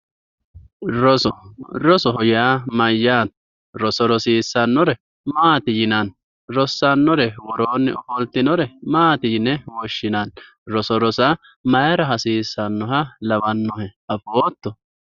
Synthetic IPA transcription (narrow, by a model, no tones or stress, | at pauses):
ɾɔsɔɾɔsɔɦɔjaːmɐjːaːt̪ː | ɾɔsɔɾɔsiːsːɐnːɔɾɛ | maːt̪ɪjɪnɐn | ɾɔsːɐnːɔɾɛwɔɾoːnːɪɔfɔlt̪ːɪnɔɾɛmaːt̪ɪjɪnːɛwɔʃːɪnɐn | ɾɔsɔɾɔsɐ | mɐjɐɾɐɦɐsiːsːɐnːɔɦɐlɐbɐnːɔhɛɐfoːt̪ːɔ